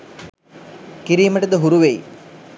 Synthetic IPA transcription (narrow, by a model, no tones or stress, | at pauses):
kiɾiːməʈəd̪əɦuɾuʋej